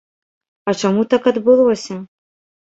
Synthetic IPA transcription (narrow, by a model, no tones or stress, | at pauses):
ɐt͡ʂamut̪akɐd̪bɨlˠɔsʲɐ